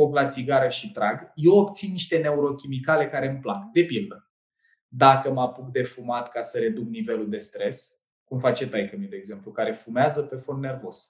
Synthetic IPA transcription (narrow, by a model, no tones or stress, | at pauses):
o̞ɡlat̪siɡaɾəʃit̪ɾaɡje̞wop̚t̪sinːiʃt̪e̞ne̞uɾo̞kʲimikale̞kaɾe̞mplakd̪e̞pild̪ə | d̪akəmapuk̚d̪e̞fumat̪kasəɾe̞d̪uk̚nive̞luld̪e̞st̪ɾe̞s | kumfat͡ʃe̞t̪ajkəmid̪e̞ːɡze̞mplukaɾe̞fumeazəpe̞fo̞nːe̞rvo̞z̥